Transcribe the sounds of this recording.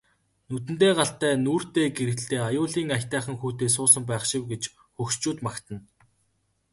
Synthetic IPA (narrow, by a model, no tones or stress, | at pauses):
nut̪̬ɘ̆n̥t̪eːɢaɬt̪æːnuːr̥t̪eːɡeɾɘ̆ɬt̪eːajʊːɮiːŋaxʲt̪æːχə̆ŋxuːt̪eːs̬ʊːsə̆mpæːχʃɪwɡet͡ɕ | xɵkst͡ɕuːt̪makt̪ə̆n